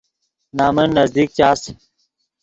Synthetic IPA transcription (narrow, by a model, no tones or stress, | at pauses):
naːmənːɐzd̪iːk̚t͡ɕaːs